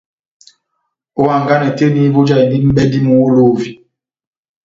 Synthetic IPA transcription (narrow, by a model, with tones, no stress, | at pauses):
o˦wa˨ŋ̩˨ɡa˦nɛ˨te˦ni˦bu˦d͡ʒa˦i˨ndi˦m̩˦ɓɛ˦di˦mu˦lo˦˨vi˨